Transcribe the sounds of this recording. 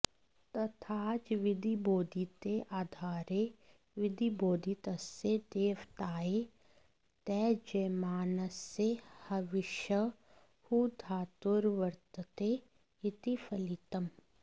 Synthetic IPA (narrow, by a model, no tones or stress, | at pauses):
t̪ɐt̪ʰaːt͡ʃʋɪd̪ʱiboːd̪ʱit̪eʔaːd̪ʱaːɾe | ʋɪd̪iboːd̪ʱit̪ɐsːed̪eːʋt̪aːe | t̪ɛːd͡ʒɐmaːnəsːehɐʋɪʃə | hud̪ʱaːt̪ʊɾʋɐɾt̪ət̪e | ɪt̪ifʰɐlit̪ɐm